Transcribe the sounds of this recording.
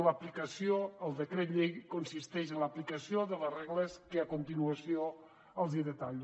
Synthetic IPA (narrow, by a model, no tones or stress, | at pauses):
ləplikəsijoəlˠd̪əkɾet̪ʎejkonsist̪ɛʃənləplikəsioðələrɛɣləskəakunt̪inuəsio | əlˠzðiðət̪aʎ